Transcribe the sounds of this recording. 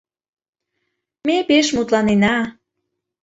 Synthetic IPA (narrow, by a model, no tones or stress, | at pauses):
mepeʃmut̪lɑnenɑ